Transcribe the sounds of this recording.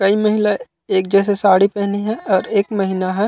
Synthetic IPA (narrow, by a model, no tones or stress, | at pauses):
kɐimɐɦila | eːk̚d͡ʒɛːs̬esaːɽipɛɦniɦɛɔːɾeːkmɐɦinaɦɛː